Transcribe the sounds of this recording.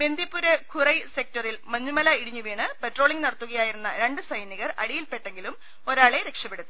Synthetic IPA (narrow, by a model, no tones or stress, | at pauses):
be̞nd̪ʱjipːuɾekʰurɐjse̞k̚tɐrilmɐɲːumɐlɐiɽiɲːuʋiːɳɨpetro̞ːɭiŋnɐɽɐt̪ːuɣɐjaːjiɾunːɐɾe̞ɳɖɨsɐjniɣɐrɐ̰ɽijilpe̞ʈːeŋɡilum | o̞ɾaːɭe̞ɾe̞kʂɐpːeɽut̪ːi